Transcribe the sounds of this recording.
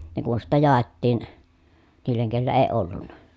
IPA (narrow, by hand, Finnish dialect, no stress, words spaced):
ne kun sitːæ jɑˑetːiːn niːlˑeŋ kelːæ eː olːunːɑ